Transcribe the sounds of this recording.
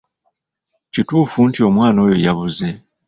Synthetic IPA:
cituːfuntio̞mwaːno̞ːjojaβuze̞

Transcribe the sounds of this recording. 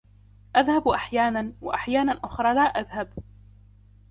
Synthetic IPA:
ʔaðhabʔaħjaːnanwaʔaħjaːnanʔʊxɾˤɑːlaːʔaðhab

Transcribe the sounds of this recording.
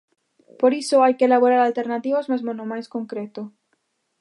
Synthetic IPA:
poɾisoajkelaβoɾaɾalt̪eɾnat̪iβozmazmonomajskoŋkɾet̪o

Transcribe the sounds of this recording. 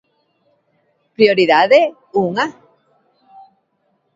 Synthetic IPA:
pɾjoɾiðaðe | uŋa

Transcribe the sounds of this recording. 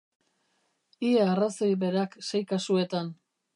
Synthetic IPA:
iearasojβe̞ɾaksejkasue̞t̪an

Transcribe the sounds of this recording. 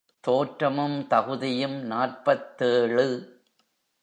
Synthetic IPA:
t̪oːʈɾɐmɯmt̪ɐɣɯðɪjɯmnaːrpɐt̪ːeːɻɯ

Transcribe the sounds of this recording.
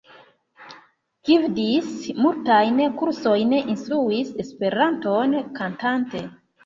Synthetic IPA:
ɡ̥ivdismultajnkuɾso̞jneʔinstɾuise̞spe̞ɾanto̞nkantante̞

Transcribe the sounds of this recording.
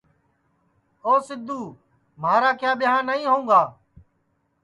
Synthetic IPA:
oːsɪd̪ʱːuː | maːɾaːkʰjaːɓɪɦãːnəĩːɦõːɡaː

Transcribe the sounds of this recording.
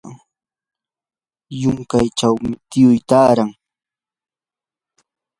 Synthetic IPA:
jʊŋkajt͡ʃawmɪt̪ɪjʊjt̪aːɾaŋ

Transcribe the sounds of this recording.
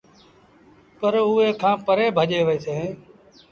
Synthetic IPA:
pəɾʊːɦeːkʰãːpəɾeːbʱəʄeːʋeːseː

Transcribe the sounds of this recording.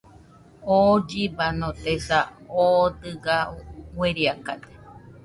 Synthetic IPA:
od͡ʒibanõt̪esaod̪ɨɡaweɾiakad̪e̥

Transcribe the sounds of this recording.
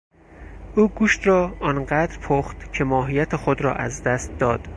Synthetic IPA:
ʔuːɡuːʃt̪ɾɒːɒːnɢæd̪ɾpʰoχt̪cʰe̞mɒːɦijæt̪ʰexod̪ɾɒ̰ːʔæ̰zd̪æst̪̚d̪ɒːd̪̥

